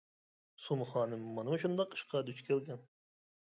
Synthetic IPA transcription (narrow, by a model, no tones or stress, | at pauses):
sumχɑːnɨmmːɑnɨmuʃʰund̪ɑqʰɨ̥ʃqɑd̪yt͡ʃkʲʰelɡʲɛn